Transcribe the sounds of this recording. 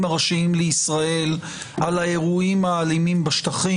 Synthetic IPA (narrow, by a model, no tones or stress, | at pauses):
maʁaʃiimleisʁae̞l | alaeʁuimaːlimimbaʃt̪aχi